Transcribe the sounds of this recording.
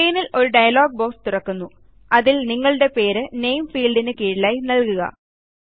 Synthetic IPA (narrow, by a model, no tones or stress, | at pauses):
ejnilo̞ɾuɖɐjɐloːɡ̚boːst̪urɐkːunːu | ɐðilniŋːɐɭɨɽe̞pe̞ːɾɨnejmfiːlɖinɨkiːɽilaːjnɐlkuɣɐ̰